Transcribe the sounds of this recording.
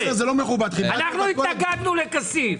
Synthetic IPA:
zelomeχubad̪χibanaχnuit̪ɐɡad̪nulekɐsiv

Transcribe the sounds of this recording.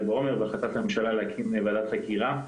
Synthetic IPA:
beo̞meʁbaχat̪at̪hame̞mʃalalehakʰimevadat̪χakiʁa

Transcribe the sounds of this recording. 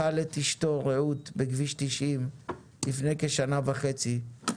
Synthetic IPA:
alet̪iʃto̞ʁeut̪beɡviʃt̪iʃim | lifne̞jkeʃanavaχet͡si

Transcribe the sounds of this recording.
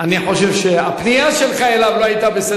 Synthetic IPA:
aniħo̞ʃe̞vʃeapnijaʃe̞lχaelavloajt̪abese

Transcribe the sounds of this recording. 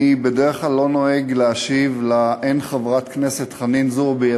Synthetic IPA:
ibedeʁeχlalːo̞no̞eɡleaʃivlaʔenχavʁat̪knese̞t̪χaninzuʁbeja

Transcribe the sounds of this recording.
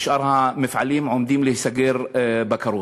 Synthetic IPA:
ʃʔɑɾˤhamɪfʕaliːmʕʊmd̪iːmlihsaɡiːɾbakaɾˤuː

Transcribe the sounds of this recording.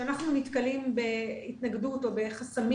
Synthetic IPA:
anaχnunitkalimbe̞itnaɡduto̞be̞χasami

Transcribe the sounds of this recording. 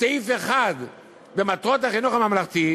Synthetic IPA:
eifeχad̪ | bemat̪ʁot̪̬aχinuχamamlaχt̪i

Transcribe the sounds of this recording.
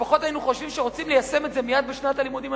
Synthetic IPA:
faχo̞t̪ainuχo̞ʃvimʃeʁo̞t͡simlejase̞me̞tze̞mijad̪̚beʃnat̪alimud̪im

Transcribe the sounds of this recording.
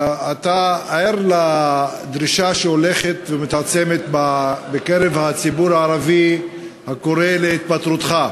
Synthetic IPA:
at̪aaeɾla | d̪ʁiʃaʃeole̞χet̪vemit̪at͡se̞met̪babekeʁevhat͡sibuɾaːɾavi | hako̞ʁeleit̪̚pat̪ɾut̪χa

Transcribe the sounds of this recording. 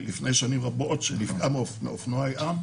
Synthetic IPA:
lifne̞jʃanimʁabotʃenifkamemḛofnoajʔam

